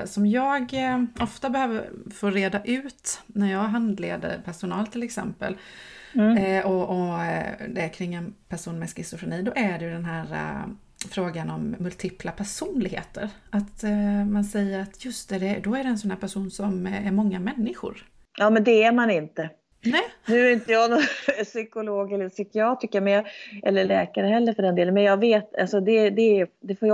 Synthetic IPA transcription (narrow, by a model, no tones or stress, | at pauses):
sɔmjɑːɡɔft̪abɛhøːvəɾfoːɾeːd̪aʔʉ̟ːt̪næɾjɑːɡɦand̪lḛːd̪ə̰ɾpʰæʂʊnɑːlt̪ʰɪlɛksɛ̰mpə̰l | ɔʔɔ | d̪ɛæɾkʰɾɪŋːɛnpʰæʂuːnmɛskɾɪsʊfɾʊniːd̪ɔʔæɖɛjɵd̪ɛnɦæːɾa̰ | fɾoːɡanɔmːɵlt̪ʰiːplapʰæʂuːnlɪɡhḛːt̪ʰəɾat̪mansɛjːəɾat̪ʰjɵst̪̚d̪æd̪ɛd̪ɔæɖɛɛnsɔnhæːɾpʰæʂuːnsɔmæɾmɔŋːamɛnːɪɧʊ̰ɾ | jɑːmɛnd̪ɛæɾmanɪnt̪ə | nɛːnʉ̟ːæɾɪnt̪əjɑːnɔsʏkʊloːɡɛlːəsʏkɪɑːt̪ɾɪkəmɛnjɑɛlːəɭɛːkaɾəhɛlːəɾfœɖɛnd̪eːlənmɛnjɑːveːt̪a̰lsɔd̪ɛd̪ɛd̪ɛfoːj